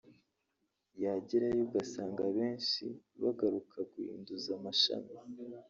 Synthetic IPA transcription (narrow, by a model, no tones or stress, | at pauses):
jaɟiɾajuɡasaːŋɡaβe̞ːnʃḭβaɡaɾukʰaɡuḭːnduzamaʃa̰mi